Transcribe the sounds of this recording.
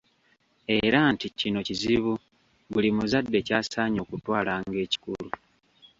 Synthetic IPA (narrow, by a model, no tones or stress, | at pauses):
e̞ɾanticino̞ciziβu | ɡulimuzadːe̞caːsaːɲo̞ːkutwaːlaŋɡe̞ːci̥kulu